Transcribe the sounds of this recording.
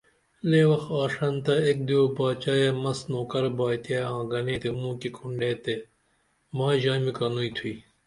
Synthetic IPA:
leːwɐxaːʂɐnt̪ɐek̚d̪iobaːt͡ɕaːjamɐsnoːkɐɾbaːjt̪jaːãːɡɐnẽːt̪emũːkikʰuɳɖeːt̪e | maːʑaːmikɐnuːit̪ʰuiː

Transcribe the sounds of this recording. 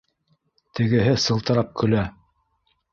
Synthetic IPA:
t̪ɘ̆ɡɘ̆ɦɘsɤ̆lˠt̪ɤ̆ɾɑp̚kʰɵ̆læ

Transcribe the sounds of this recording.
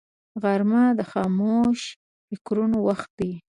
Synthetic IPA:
ɣaɾmad̪əxɑmoʃ | fɪkɾunowaxt̪̚d̪i

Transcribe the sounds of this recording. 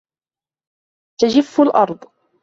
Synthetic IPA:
t̪ad͡ʒɪfːʊlʔɑɾˤd̪ˤ

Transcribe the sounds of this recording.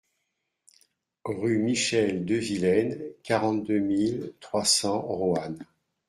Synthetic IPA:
ʁymiʃɛld̪əvilɛnkaʁɑ̃t̪̚d̪ømilt̪χwasɑ̃ʁoan

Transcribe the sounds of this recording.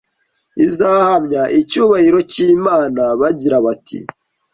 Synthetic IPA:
izahhamɲaʔicuːβahiɾo̞ciːmaːnaβaɟiɾaβatʰḭ

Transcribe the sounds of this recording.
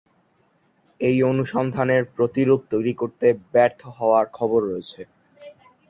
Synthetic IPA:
ejonuʃɔnd̪ʱaneɾpɾot̪iɾuɡ̚t̪ojɾikoɾt̪ebɛɾt̪ʰoɦɔoaɾkʰɔboɾːoet͡ɕʰe

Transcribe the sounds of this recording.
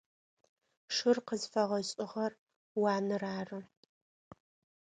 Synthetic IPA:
ʂɨrqəzfɐʁɐɕʼɪʁɐr | wɑːnɨraːrɨ

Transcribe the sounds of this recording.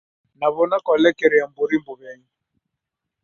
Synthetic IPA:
naβɔnakɔlɛkɛɾɛam̩boɾimbɔβjaɲi

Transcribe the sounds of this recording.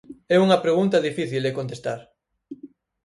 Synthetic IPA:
ɛuŋɐpɾeɣunt̪ɐðifiθild̪ekont̪est̪aɾ

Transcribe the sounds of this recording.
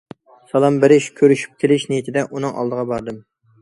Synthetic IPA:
sɑlˠɑmbɪɾɪʃkʲʰøɾyʃy̥p̚kʲʰelɪʃnejit̪ʰɪd̪ɛʔunɨŋʔɑ̰lˠd̪əʁɑbɑɾd̪ɨm

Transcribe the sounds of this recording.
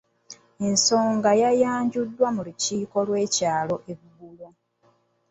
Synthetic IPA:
e̞nso̞ːŋɡajajaːɲɟudːwamuluciːko̞lwe̞ːcaːlo̞ʔeβɡulo

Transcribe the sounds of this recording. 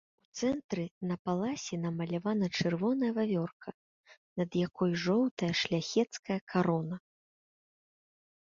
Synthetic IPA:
ut̪sɛnt̪ɾɨnɐpalˠasʲɛnɐmɐlʲavanɐt͡ʂɨrvɔnɐjɐvavʲɔrkʰɐ | nɐd̪jakɔjʐɔwt̪ɐjɐʂlʲaxʲɛt̪skɐjɐkʰaɾɔnɐ

